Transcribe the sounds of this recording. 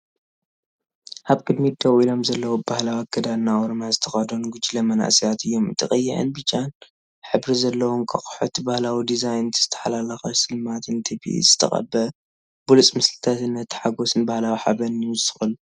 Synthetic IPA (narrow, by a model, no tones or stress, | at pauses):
ʔaβkʼɨd̪mid̪ɐwilo̞mzɐlːɐwobahlawaɡɐd̪aːawoɾmazɨt̪ʰɐ̥xɐd̪onɡud͡ʒilɐmɐna̰ʔsijat̪ʰɨjːo̞mɨt̪ʰʼɨxʼɐjːɪʕɨ̰nbɨt͡ʃːan | ħɨbɾizɐlːɐwoŋkʼɐxʼħot̪bahlawid̪izajnt̪ʰz̥ɨ̥t̪ʰɐ̥ħalalɐxɐsɨlmat̪ʰɨnt̪ʰibḭzɨt̪ʰɐ̰χʼɐ̰bːɐ | b̥ulut͡sʼmɨslɨt̪ʰat̪ɨnːɐt̪ʰːħaɡo̞sɨnbahlawiħa̰bɐnɨɨsɨ̥xɐlu